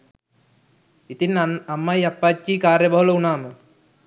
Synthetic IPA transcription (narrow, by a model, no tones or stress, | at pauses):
it̪inːanamːajapːad͡ʒːiːkaːɾjəbɐɦuləunaːmə